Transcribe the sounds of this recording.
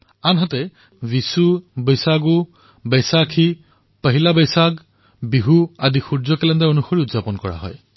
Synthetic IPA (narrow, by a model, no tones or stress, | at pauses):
anɦatɛ | visubejsaɡu | bɛjsakʰi | pəɦilabejsaɡ | biɦuadixuɹzɔkɛlɛndaonuxoɹiutzapɔnkɔɹa̰ɦɔ̰j